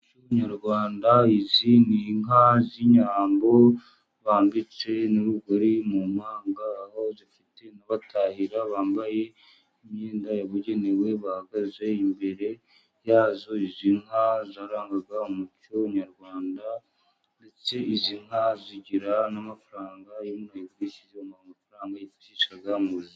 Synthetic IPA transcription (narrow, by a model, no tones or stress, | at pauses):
cuβaɲaɾɡwaːndaiziniŋɦaziɲaːmbo̞ | βaːmbit͡se̞nuɾuɡoɾimumhaːŋɡaːho̞zifite̞naβatʰahiɾaβaːmbaje̞ | imɲiːndajaβuɟe̞ne̞we̞βahaɡaze̞imbe̞ɾe̞ | jaːzo̞iziŋhazaːɾaːŋɡaɡaumutoɲaɾɡwaːnda | nde̞t͡se̞iziŋ̥haziɟiɾanamafaɾaːŋɡajuunajiβɡiːʃizomaamafaɾaːŋɡajitiːʃaɡamuzi